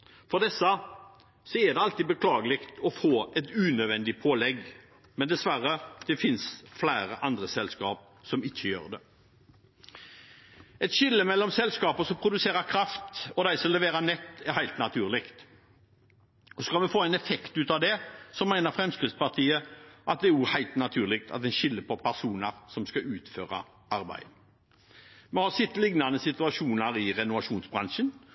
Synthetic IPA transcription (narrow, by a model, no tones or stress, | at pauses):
fɔʁd̪ɛsə | sɔɛd̪ɛɑlt̪iːbəkʰlɑːɡəlɪkt̪ɔfoːɛt̪ʉːnœd̪ʋɛnd̪ɪpʰoːlɛɡ | mɛnd̪ɛsʋæɾəd̪̥ɛfɪnsflæɪɾəʔɑnd̪ɾəsɛlskɑ̰ːp̚ | sɔmɪçːəjø̰ːʁd̪ɛ | ɛt̪ɕɪlːəmɛlːɔmsɛlskɑːpəsɔmpʰɾʊd̪ʉseːɾəɾkʰɾɑft̪ɔd̪æɪsɔmlɛʋeːɾənɛt̪ːæɾhæɪlt̪nɑt̪ʰʉːʁlɪkt̪ | ɔsɔ̥kɑlmɛfoːɛɪnɛfɛkt̪ʉːt̪ɑʋd̪ɛsɔmːæɪnəʁfʁɛmskʁɪtspɑt̪ʰiːəʔɑt̪̚d̪ɛæɾʊhæɪlt̪nɑt̪ʰʉːʁlɪk̚t̪ʰɑ̰t̪ɛnʃɪlːəpʰɔpʰæʁsuːnɑɾsɔmskɑʉːt̪føːʁɑ̰ | ɑɾbæ̰ɪd̪ | mɛhɑsɪt̪ːlɪɡnɑnəsɪt̪ʉɑʃuːnɑɾɪʁɛnʊʋɑʂuːnsbʁɑnʂən